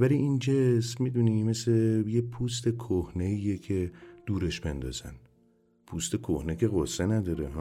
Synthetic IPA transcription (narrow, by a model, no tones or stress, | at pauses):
væliʔind͡ʒesmmiːd̪unimeslejepʰuːst̪ʰe̞kʰohneiːjecʰed̪̥uːɾeʃbe̞nd̪ɒ̰ːz̥æ̰n | pʰuːst̪ekʰo̰hnecʰe̞ɣosːenæd̪ɒɾeɦ